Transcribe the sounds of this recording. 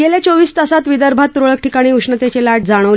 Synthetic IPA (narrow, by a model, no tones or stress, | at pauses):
ɡelat͡soʋiːst̪əsat̪ʋid̪əɾbʱat̪ːɾoɭək̚ʈikaɽ̃iːuʂɳət̪et͡ɕelaʈ̚d͡zaɽ̃əʋl